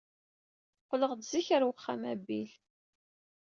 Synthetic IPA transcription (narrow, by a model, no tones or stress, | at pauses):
qləʁd̪ziçəɾwəχːæmæbːil